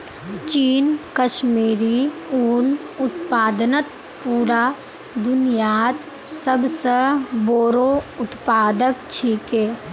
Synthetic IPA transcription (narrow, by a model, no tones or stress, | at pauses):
t͡ʃiːnkəʃmiːɾiuːl | ʊt̪paːd̪nət̪ | puːɾaː | d̪ʊnijaːt̪ | səbsəboːɾoʊt̪paːd̪əkt͡ʃʰiːkeː